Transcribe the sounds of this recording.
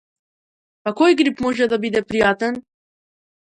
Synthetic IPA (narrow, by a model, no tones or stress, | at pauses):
pakojɡɾipmoʒɛd̪abid̪ɛpɾijat̪ɛn